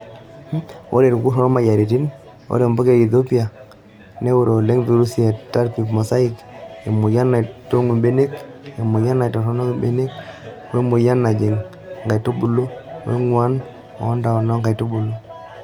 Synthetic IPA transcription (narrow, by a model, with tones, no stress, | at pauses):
o˦ɾe˨ɾku˦sɔ˦nɔ˦ma˨ja˨ɾe˨ti˦n | o̰˦ɾe˨mbɔ˦ke˦ɡi˨ðo˦pi˦a˨ | ne˦wo˦˨ɾo˨le˦ŋvi˨ɾu˦si˦a˨ta˦ɾpi˨pmɔ˨sa˦i˦ke˨mʊ˨ja˦na˨to˦ŋu˨mbe˦ne˦ke˨mʊ˨ja˦na˨tɔ˨sɔ˦nɔ˦bḛ˦ne˦k | we˦mʊ˨ja˦na˨d͡ʒe˨ŋ˨ | ŋɡa˨jto˦bu˨lo˦wḛ˦ŋwa˦n | ɔ̰ː˨˦nda˨ɔ˨nɔ˦ŋɡa˨to˦bu˨lo˦